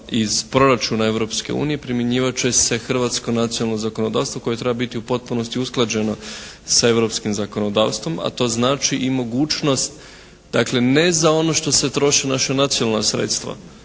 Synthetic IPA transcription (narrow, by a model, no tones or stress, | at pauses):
iz̥pɾo̞ɾat͡ʃunae̞ʋɾo̞pske̞̰ṵːnije̞pɾimjeɲiːʋat͡ʃe̞se̞xr̩ʋaːt̪skonat̪sionalˠnozako̞no̞d̪aːst̪ʋo̞ko̞je̞t̪ɾe̞babit̪iupo̞t̪̚puno̞st̪iusklˠad͡ʑe̞no̞ | sae̞ʋɾo̞pskimzako̞no̞d̪a̰ːʋst̪ʋo̞ma̰t̪o̞ːznaːt͡ʃiʔimo̞ɡuːt͡ʃno̞st̪ | d̪akle̞nezao̞no̞ʃt̪o̞se̞t̪ɾo̞ʃenaʃanat̪sijonalnasɾḛt̪st̪ʋa̰